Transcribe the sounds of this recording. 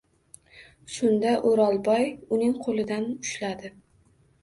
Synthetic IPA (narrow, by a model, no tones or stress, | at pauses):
sʊnd̪aʔoɾɒlˠbɒjʊnɪŋqʰolˠɪd̪anʊʃlad̪ɪ